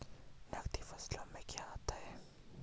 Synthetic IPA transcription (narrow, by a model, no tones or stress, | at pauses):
nɐxt̪ifɐslamẽkjaaːt̪aɦɛː